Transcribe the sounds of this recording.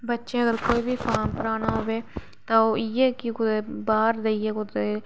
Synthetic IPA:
bətːʃẽːəɡəɾkoːiːbʱiːpʰaːmpəɾaːnaːɦoːʋeː | t̪ãːoːiɛːkɪkʊebaːɾd̪eieːkʊd̪e

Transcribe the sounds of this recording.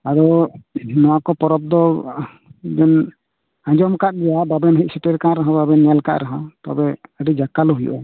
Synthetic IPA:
aɾɔ | nɔwakɔpɔɾɔb̚d̪ɔ | d͡ʒɛn | ãɲd͡ʒɔmkat̪̚ɡɛjababɛnɦic̚ˀsɛʈɛɾkaɾaɦãbabɛnjalka̰ʔɾaɦãt̪a̰bɛəɖɛd͡ʒakalɔɦujɔ̰ʔɔ

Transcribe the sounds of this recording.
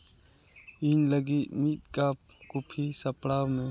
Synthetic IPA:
iːnləɡimiːt̪̚kaːp̚ | kupʰiːsəpɽaːwmẽː

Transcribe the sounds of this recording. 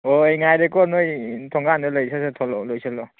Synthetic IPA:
ɔejŋajɾekɔnɔjtʰɔŋɡanɯlɯjsasetʰɔlɔlojsalɔ

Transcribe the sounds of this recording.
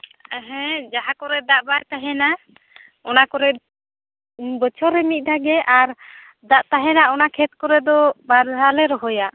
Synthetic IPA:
ɛɦɛ̃d͡ʒaɦakɔɾɛd̪aʔbajt̪aɦɛna | ɔnakɔɾɛ | bət͡ʃʰɔɾɛmit̪̚ˀd̪ʱaɡɛʔaɾ | d̪aʔt̪aɦɛnaɔnakʰɛt̪̚kɔɾɛd̪ɔbaɾɦalɛɾɔɦɔja

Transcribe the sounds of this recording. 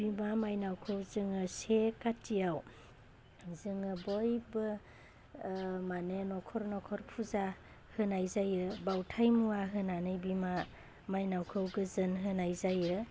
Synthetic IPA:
bimamajnawkʰɯwzɯŋɯsekatʰijaw | zɯŋɯbɔjbɯ | manenɔkʰɔɾnɔkʰɔɾpʰuza | hɯnajzajɯbawtʰajmuaɦɯnanɯjbima | majnawkʰɯwɡɯzɯnɦɯnajzajɯ

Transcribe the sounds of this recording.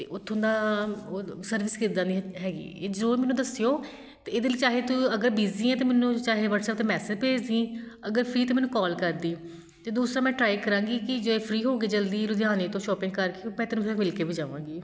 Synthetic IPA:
t̪ḛːʔʊt̪ʰːõːd̪aː | səɾʋɪskɪɾd̪ãːd̪iːɦɛːɡḭːḛːd͡ʒoːmɛːnːũːd̪əsɪjoː | t̪eːɪd̪eːliːt͡ʃaːɦeːt̪uəɡəɾbiːziːɛ̃ːt̪eːmɛːnũːt͡ʃaːɦeːʋəʈsɛːpt̪ẽːmɛːsɪd͡ʒpeːd͡ʒd̪ĩːəɡəɾpʰɾiːt̪eːmɛ̃ːnũːkɔːlkəɾd̪iː | t̪eːd̪uːsɾãːmɛ̃ːʈɾaːikəɾãːŋɡiːkɪd͡ʒoːeːpʰɾiːɦoːɡiːd͡ʒəld̪iːɾʊd̪jaːneːt̪õːʃɔːpɪ̃ŋɡkəɾkeopɛ̃ːt̪eːnũːɛ̃mɪlkeːbid͡ʒaːʋã̰ːŋɡiː

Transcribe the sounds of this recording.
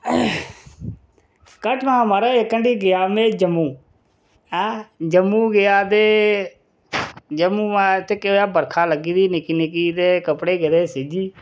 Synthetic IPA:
kəʈmãːmaːɾaːekːəɳɖiːɡɪjaːmẽːd͡ʒəmũː | ɛːd͡ʒəmːũːɡɪjaːd̪eː | d͡ʒəmũːmaːt̪eːkeojaːbəɾkʰaːləɡiːd̪iːnɪkinɪkiːd̪eːkəpɽeːɡed̪eːsiːd͡ʒiː

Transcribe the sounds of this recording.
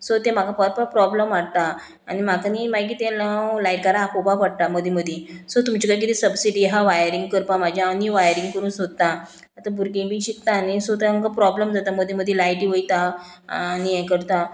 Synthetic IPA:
sot̪ẽm̤akapəɾpapɾɔbləmʋaɽt̪a | anim̤akanimaɡiːt̪ɛ̃lalajʈ̚kaɾaːpobapəɽt̪aməd̪ʱiməd̪ʱjesot̪umt͡ɕikãjk̬it̪isəbsiɖiɦaʋajəɾiŋɡ̚kəɾpamad͡ʑʱjaniʋajəɾiŋɡkəɾuːnsot̪ːã | at̪abʱuɾɡẽbiɕik̚t̪aːnisot̪ẽəkapɾɔbləmd͡zat̪aməd̪ʱjeməd̪ʱjelajʈiʋəjt̪a | niɛ̃kəɾt̪a

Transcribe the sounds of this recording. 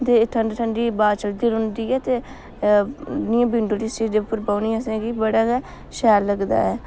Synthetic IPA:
t̪eːʈʰəɳɖʈʰəɳɖiːbaːt͡ʃəld̪iːɾʊ̃nd̪iːɛːt̪eː | nɪãːbĩɳɖoːlist͡ʃiːd͡ʒepəɾbaːniːəsẽːkibəɽaː | ʃɛːlːəɡd̪a̰ːɛː

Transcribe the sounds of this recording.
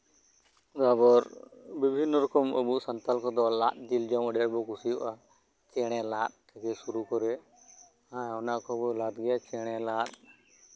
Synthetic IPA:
d̪abɔɾbibʱinːɔɾɔkɔmə̰buʔsant̪alkɔd̪ɔlat̪̚d͡ʒild͡ʒɔməɖɛɽbɔkusijɔ̰ʔa | t͡ʃɛɽ̃ɛlat̪̚kaɡɛsuɾukɔɾɛ | ãɔnakɔbɔʔlat̪̚ɡɛjat͡ʃɛɽ̃ɛlat̪̚

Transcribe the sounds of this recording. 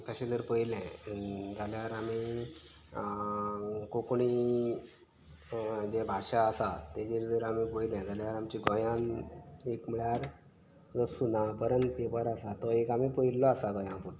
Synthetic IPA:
k̪əɕẽd͡zəɾpəilɛ̃d͡zaljaɾami | kokɳi | d͡ʑebʱaɕaəsat̪ẽd͡ʑiɾd͡zəɾamipəjilɛ̃d͡zaljaɾamt͡ɕiɡɔjãnekm̤əɭjaɾ | d͡zɔsunapəɾənt̪ːepəɾasat̪ɔekamipəilːɔasaɡɔjãpuʈ̪

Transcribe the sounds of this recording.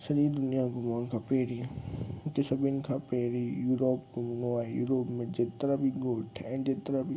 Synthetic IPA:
sɐɾid̪ʊnijaɡʊmaːnkʰapeːɾiʊkesɐbɪnkʰapeːɾijuːɾoːpɡʊmnoajṵːɾoːpmẽd͡ʒeːt̪ɾabʱiɡoːʈʰɛ̃d͡ʒet̪ɾabʱi

